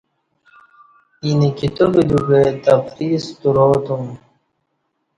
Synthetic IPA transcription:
inikit̪obid̪upet̪ɐfɾiːst̪uɾoːt̪um

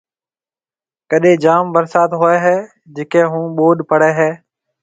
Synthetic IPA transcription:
kəɗẽːd͡ʒaːmbəɾsaːt̪ɦoeːɦɛː | d͡ʒeːkẽːɦũːɓoːɗpəɽeːɦeː

